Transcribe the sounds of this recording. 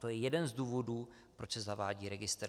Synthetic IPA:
t̪o̞jɛjɛdɛnzduːvo̞duː | pɾot͡ʃsɛzavaːɟiːɾɛɡɪst̪ɾ

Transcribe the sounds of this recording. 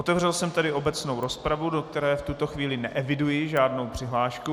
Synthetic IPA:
ot̪ɛvrɛlsɛmt̪adɪʔo̞bɛt͡sno̞wɾo̞spɾavudokt̪ɛɾɛːft̪ut̪oxviːlɪnɛʔɛvɪdujɪʒaːdno̞wpr̝̥ɪɦlaːʃku

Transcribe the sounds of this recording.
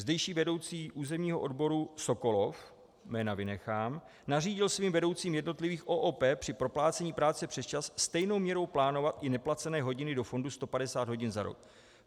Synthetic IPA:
zdɛjʃiːvɛdo̞wt͡siːʔuːzɛmɲiːɦo̞ʔo̞dbo̞ɾuso̞ko̞lo̞f | mɛːnavɪnɛxaːm | nariːɟɪlsviːmvɛdo̞wt͡siːmjɛdno̞t̪lɪviːxʔoːʔoːpɛːpr̥ɪpɾo̞plaːt͡sɛɲiːpɾaːt͡sɛpr̝̥ɛst͡ʃasːst̪ɛjno̞wmɲɛɾo̞wplaːno̞vat̪ʔɪnɛplat͡sɛnɛːɦo̞ɟɪnɪdo̞fo̞ndust̪o̞padɛsaːd̪ɦoɟɪnzaɾo̰k̚

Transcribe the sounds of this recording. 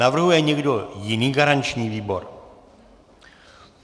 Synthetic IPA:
avr̩ɦujɛɲɛɡdo̞jɪniːɡaɾant͡ʃɲiːviːbo̞ɾ

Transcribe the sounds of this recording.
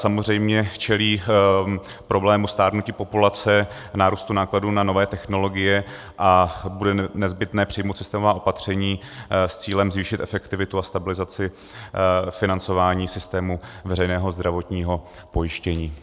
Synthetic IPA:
samozrɛjmɲɛt͡ʃɛliː | pɾo̞blɛːmust̪aːɾnuciːpo̞pulat͡sɛ | naːɾuːst̪unaːkladuːnano̞vɛːt̪ɛxno̞lo̞ɡɪjɛ | ʔabudɛnɛzbɪt̪nɛːpr̥ɪjmowt̪sɪst̪ɛːmovaːʔo̞pat̪r̝̥ɛɲiːst͡siːlɛmzviːʃɪt̪ʔɛfɛkt̪ɪvɪt̪uast̪abɪlɪzat͡sɪ | fɪnant͡so̞vaːɲiːsɪst̪ɛːmuvɛrɛjnɛːɦo̞zd̪ɾavot̪ɲiːɦo̞ | po̞jɪʃcɛɲiː

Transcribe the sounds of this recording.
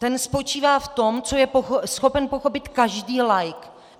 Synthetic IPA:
t̪ɛnspo̞t͡ʃiːvaːft̪o̞mt͡sojɛpoxsxo̞pɛnpo̞xo̞pɪt̪kaʒdiːlajk

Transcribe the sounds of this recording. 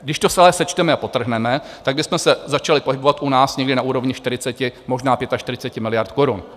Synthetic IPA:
ɡdɪʃt̪osalɛsɛt͡ʃt̪ɛmɛapo̞t̪r̩ɦnɛmɛ | t̪aɡ̚bɪsmɛsɛzat͡ʃalɪpoɦɪbo̞vat̪ʔunaːsɲɛɡdɪnaʔuːɾo̞vɲɪʃt̪ɪɾɪt͡sɛcɪmo̞ʒnaːpjɛt̪aʃt̪ɪɾɪt͡sɛcɪmɪlɪjaɾt̪koɾun

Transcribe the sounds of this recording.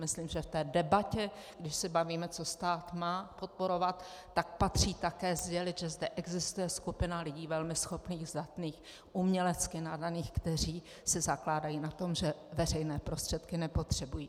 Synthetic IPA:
mɪsliːmʒɛft̪ɛːdɛbacɛɡ̥dɪʃsɪbaviːmɛt͡so̞st̪aːt̪maːpo̞t̪̚po̞ɾo̞vat̪ː | ak̚pat̪r̝iːt̪akɛːzɟɛlɪt̪ʒɛzdɛʔɛɡzɪst̪ujɛskupɪnalɪɟiːvɛlmɪsxo̞pniːɣzdat̪niːx | ʔumɲɛlɛt͡skɪnadaniːxkt̪ɛr̝iː | sɪzaklaːdajiːnat̪o̞mʒɛvɛrɛjnɛːpɾo̞st̪r̥ɛt̪kɪnɛpo̞t̪r̥ɛbujiː

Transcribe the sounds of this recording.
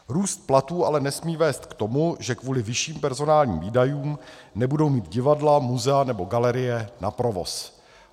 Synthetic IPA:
ɾuːst̪̚plat̪uːʔalɛnɛsmiːvɛːst̪kt̪o̞muʒɛkvuːlɪvɪʃiːmpɛɾzo̞naːlɲḭmviːdajuːmnɛbudo̞wmiːt̪ɟɪvadlamuzɛanɛbo̞ɡalɛɾɪjɛnapɾo̞vo̞̰s

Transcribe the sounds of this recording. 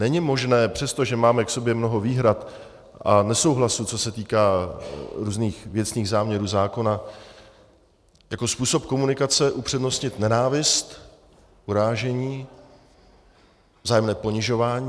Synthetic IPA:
nɛɲɪmo̞ʒnɛːpr̥ɛst̪o̞ʒɛmaːmɛkso̞bjɛmno̞ɦo̞viːɦɾat̪ | ʔanɛso̞wɦlasut͡so̞sɛt̪iːkaː | ɾuːzniːxvjɛt͡sniːɣzaːmɲɛɾuːzaːko̞na | jako̞spuːsop̚ko̞munɪkat͡sɛʔupr̥ɛdno̞st̪ɲɪt̪nɛnaːvɪst̪ | ʔuɾaːʒɛɲiː | vzaːjɛmnɛːpo̞ɲɪʒo̞vaːɲi

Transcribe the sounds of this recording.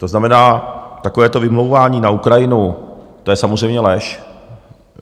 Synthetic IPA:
t̪oznamɛnaːt̪akovɛːt̪o̞vɪmlowvaːɲiːnaukɾajɪnu | t̪o̞jɛsamozr̝ɛjmɲɛlɛʃ

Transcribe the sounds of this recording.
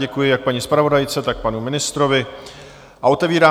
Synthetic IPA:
ɛkujɪjak̚paɲispɾavo̞dajt͡sɛt̪ak̚panumɪnɪst̪ɾo̞vɪ | ʔaʔo̞t̪ɛviːɾaː

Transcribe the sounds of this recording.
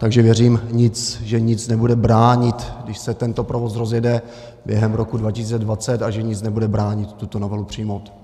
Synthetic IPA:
t̪aɡʒɛvjɛriːmɲɪt͡sʒɛɲɪt͡snɛbudɛbɾaːɲɪt̪ɡdɪʃsɛt̪ɛnt̪o̞pɾovo̞sɾo̞zjɛdɛ | bjɛɦɛmɾo̞kudvacɪsiːt͡sɛdvat͡sɛt̪aʒɛɲɪt͡snɛbudɛbɾaːɲɪt̪ːut̪onovɛlupr̝̥ijmo̞wt̪

